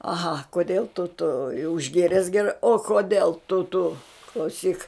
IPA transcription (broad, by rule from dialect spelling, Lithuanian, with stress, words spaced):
ɐˈɣɐ koːˈdʲeːlˠ tʊ tʊ jɛʊ ɪʒʲˈɡʲeːrʲɛs ɡʲɛˈrɐɪ oː koːˈdʲeːlˠ tʊ tʊ klˠɐʊˈsʲiːk